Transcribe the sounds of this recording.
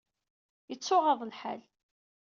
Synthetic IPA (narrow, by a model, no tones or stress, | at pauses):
jət͡sːʊʁɑðˤəlħæ̰l